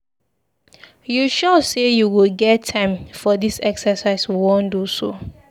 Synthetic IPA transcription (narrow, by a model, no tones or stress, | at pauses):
juʃɔsejuwilɡɛtʰːãɪ̃mfɔdisɛksəsaɪswiwõnduso̰